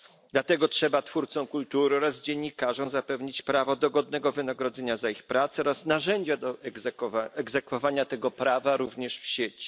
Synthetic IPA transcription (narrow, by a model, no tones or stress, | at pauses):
d̪lat̪ɛɡɔtʂɛbat̪fuɾt̪sɔ̃w̃kult̪uɾɘɔɾazd͡ʑeɲːikaʐɔ̃w̃zapɛvɲit͡ɕpɾavɔd̪ɔɡɔd̪nɛɡɔvɘnaɡɾɔd̪zɛɲazaixpɾat̪sɛɔɾasnaʐɛɲd͡ʑad̪ɔ | ɛɡzɛkfɔvaɲat̪ɛɡɔpɾavaɾuvɲɛʂfɕet͡ɕi̥